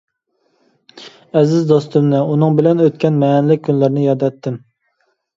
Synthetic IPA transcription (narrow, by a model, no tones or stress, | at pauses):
ɛzɪzd̪ost̪ʊmnɨunɨŋbɪlɛnøt̪̚kʲɛnmɛːnɪlɪk̚ʲʰːynlɪɾnɪjɑd̪ɛt̪ʰːɪm